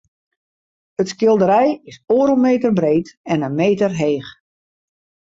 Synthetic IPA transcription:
ətskɪlˠdəɾɛjɪsoːɾəlˠmeːtərbreːtɛnənmeːtərɦeːx

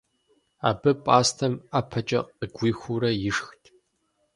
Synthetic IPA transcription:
a̰ːbɨpʼaːstʰɐmaːpʰɐt͡ʃʼɐ̰qʼəɡʷiːxʷuɾɐjɪʂxtʰʼ

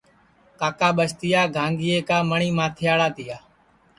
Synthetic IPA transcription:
kaːkaːɓəst̪ɪjaːɡʱãːŋɡɪːeːkaːməɳiːmãːt̪ʰɪjaːɭaːt̪ɪjaː

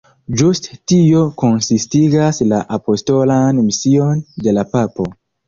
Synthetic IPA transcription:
d͡ʒusttio̞ko̞nsistiɡaslaʔapo̞sto̞lanmisio̞nde̞lapapo̞

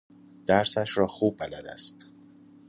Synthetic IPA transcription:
d̪̥æɾsæʃɾɒːxuːb̚bælæd̪æ̰st̪

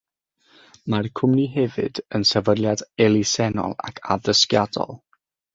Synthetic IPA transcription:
markʰʊmniɦɛvɨ̰dənsəvədljadɛlˠisɛnɔ̰lˠa̰kʰa̰dəskjadɔ̰lˠ

